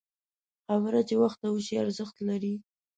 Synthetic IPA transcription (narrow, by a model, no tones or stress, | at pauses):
xaβəɾat͡ʃewaxt̪awəʃiaɾzəxt̪laɾi